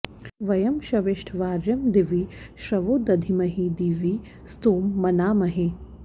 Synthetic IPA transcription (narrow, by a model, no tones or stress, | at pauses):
ʋɐjɐmʃɐʋɪʃʈʰʋaːɾjɐmd̪iʋiʃɾɐʋoːd̪ɐd̪ʱimɐɦid̪iʋi | st̪oːmːɐnaːmɐɦi